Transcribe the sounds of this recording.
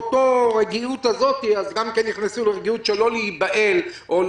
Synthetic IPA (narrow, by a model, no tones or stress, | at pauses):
toʁeɡiutazo̞tiazɡamkenːiχnesuleʁeɡiut̪ʃelo̞leibaʔelʔol